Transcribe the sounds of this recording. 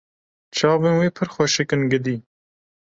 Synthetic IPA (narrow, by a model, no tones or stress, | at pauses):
t͡ʃʰɑːvenweːpʰɨɾxwɛʃekɨnɡɨd̪iː